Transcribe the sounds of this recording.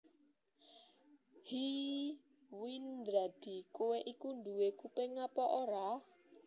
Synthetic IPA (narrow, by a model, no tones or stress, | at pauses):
hi | wind̪ɾad̥ikʼuwɛʔikundʱuwekupɛŋapɔʔɔɾa